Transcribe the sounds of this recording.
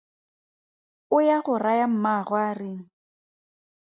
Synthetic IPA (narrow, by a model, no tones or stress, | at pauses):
ʊjaɣʊrajam̩maɣwarɪŋ̩